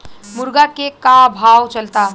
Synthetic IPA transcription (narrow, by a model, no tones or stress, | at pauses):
muɾɡakekabʱawt͡ʃəlt̪a